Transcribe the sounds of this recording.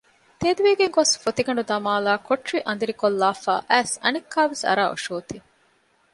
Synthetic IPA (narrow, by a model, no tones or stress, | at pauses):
t̪eːd̪uʋiːɡeŋɡosfot̪iɡɐɳɖud̪ɐmaːlaːkoʈɾiʔɐnd̪iɾikolːaːfa̰ːʔæːsɐnekʰːaːʋesɐ̰ɾaːo̰ʃoːt̪i